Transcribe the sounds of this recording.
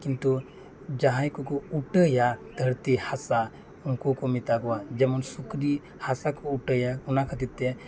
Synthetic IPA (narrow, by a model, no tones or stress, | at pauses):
kint̪u | d͡ʒaɦãjkɔkɔuʈəjad̪ʱəɾt̪ihasa | unkokɔmit̪aɡɔwad͡ʒɛmɔnsukɾi | hasakɔuʈəjaunakʰət̪it̪ːe